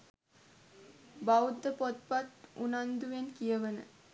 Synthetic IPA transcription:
bawd̪ːəpot̪pat̪unand̪uʋenkijəʋənə̰

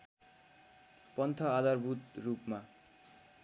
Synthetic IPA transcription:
pɔnt̪ʰʌad̪aɾbut̪ɾupma

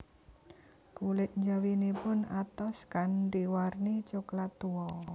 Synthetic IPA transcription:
kulɪt̪̚ɲd͡ʒawinepʊnat̪ɔskanɖiwarnit͡ʃuklat̪ːuɔ

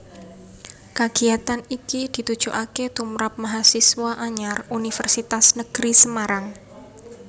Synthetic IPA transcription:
kaɡ̥iat̪anikid̪̥i̤t̪ud̥ʒ̥uʔaket̪umɾap̚maɦasiswaʔaɲarunifərsit̪asnəɡ̥ɾisəmaɾaŋ

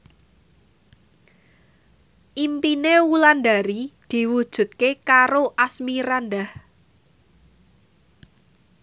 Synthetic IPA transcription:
ʔimpinewuland̪aɾid̪̥i̤wud̥ʒ̥ṳt̪̚kekaɾoʔasmiɾand̪ah

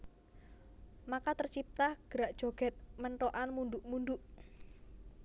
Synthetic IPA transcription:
makat̪ərt͡ʃip̚t̪ahɡ̥əɾaʔd̥ʒ̥o̤ɡ̥ɛt̪̚məɳʈoʔanmund̪uʔmund̪ʊʔ

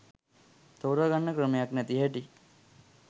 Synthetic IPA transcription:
t̪owɾaɡanːəkɾəmejaknæt̪iɦæʈi

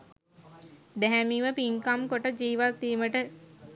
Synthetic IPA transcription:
d̪ɛɦɛmiʋəpiŋkamkoʈəd͡ʒiːʋat̪ːiːməʈə

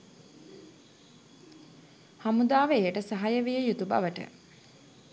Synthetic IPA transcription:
hamud̪aːʋəejəʈəsaɦajəʋijəjut̪uba̰ʋəʈə̰

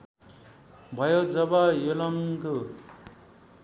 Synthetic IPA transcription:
bʱʌjod͡zʌbʌjolʌŋko

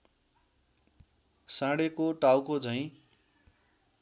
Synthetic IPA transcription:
sãɽekoʈawkod͡zʌjĩ

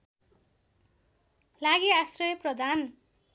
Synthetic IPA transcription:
laɡiasrʌjʌprʌd̪ʱan

